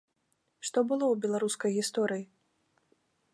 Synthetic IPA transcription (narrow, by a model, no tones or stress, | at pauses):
ʂt̪ɔbɨlˠɔwbʲɛlˠaɾuskɐjɣʲist̪ɔɾɨji